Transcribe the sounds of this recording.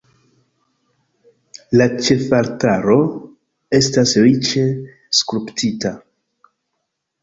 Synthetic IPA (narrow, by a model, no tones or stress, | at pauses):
lat͡ʃe̞faɾtaɾo̞ | e̞stasɾit͡ʃe̞ | skɾuptita